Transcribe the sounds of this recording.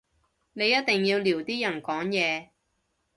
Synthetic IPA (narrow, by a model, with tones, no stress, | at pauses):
ne˨˧jɐ˥t̪̚t̪ɪ˨ŋjiː˧wliː˨˩wt̪iː˥jɐ˨˩nkɔː˨˥ŋjɛː˨˧